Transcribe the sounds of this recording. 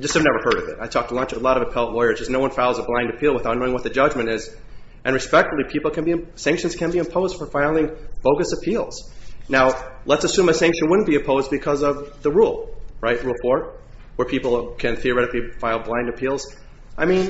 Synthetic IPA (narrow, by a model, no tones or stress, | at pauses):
d͡ʒʌstɨvnɛvə˞hɜ˞ɾʌvɪ̰ta̰ɪtʰɔk̚tʰəlʌ̃nt͡ʃʌlɔɾʌvɨpʰɛlˠtˡlɔɪə̥˞d͡ʒʌsnoʊwʌ̃nfaɪlˠzəblãɪ̃ndɨpʰilˠwəθaʊtⁿnoʊɪ̃ŋwʌt̪̚ðɨd͡ʒʌd͡ʒmɨ̃ɾ̃ɪz | ʔɨ̃nɹɨspɛk̚tfl̩ˠipʰipl̩ˠkʰɨ̃nbiɨ̃sæ̃ŋkʃɨ̃nz̥kʰɨ̃nbiɨ̃mpʰoʊzd̥fə˞faɪlˠɪ̃ŋb̥oʊɡɨsɨpʰilˠz̥naʊlətsɨsʉ̃mɨsæ̃ŋkʃɨ̃nwʊdⁿn̩b̥iɨ̃mpʰoʊzbɨkʰʌzʌvðəɹulˠɹaɪt̚ɹulˠfɔɹ̚ | wə˞pʰipl̩ˠkʰɨ̃nθiə˞ɛɾɨklifaɪlˠblãɪ̃ndɨpʰilˠz̥ | ʔaɪmĩn